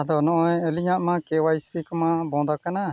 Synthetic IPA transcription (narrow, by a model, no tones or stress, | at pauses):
ad̪ɔnɔʔɔ̃jəliɲaʔmãkewajsikmãbɔ̃d̪akana